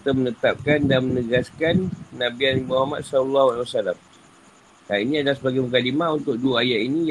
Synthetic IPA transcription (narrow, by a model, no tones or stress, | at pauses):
t̪amənət̪ap̚kandanmənəɡaskanːãbianmuhɦamat̪̚salulːahaliwasalam | dainĩadalasəbaɡajmək̬alimãunt̪ʊk̚duaajaʔinĩ